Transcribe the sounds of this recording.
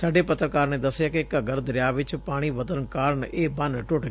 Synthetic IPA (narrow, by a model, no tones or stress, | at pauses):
saːɖeːpət̪ɾəkaːɾneːd̪əsːɪjaːkɪkəɡəɾd̪əɾɪjaːʋɪt͡ʃpaːɽ̃iːʋət̪əɾnkaːɾəɳeːbənʈʊʈɡ